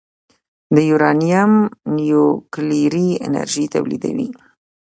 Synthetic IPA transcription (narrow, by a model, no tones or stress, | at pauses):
d̪əjuɾɑnijamnijokliɾiɪ̰na̰ɾʒit̪awlid̪awḭ